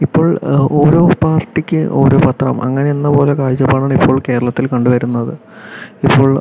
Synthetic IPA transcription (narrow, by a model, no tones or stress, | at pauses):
ipːo̞ːɭo̞ːɾo̞ːpaːrʈːikʲːɨʔo̞̰ːɾo̞ːpɐt̪rɐ̰mʔɐ̰ŋːɐne̞enːɐpo̞ːle̞kaːjd͡ʑɐpaːɳaːɳipʰːo̞ːɭke̞ːɾɐɭɐt̪ːilkɐɳɖuʋɐɾunːɐðɨ | ipːo̞ːɭ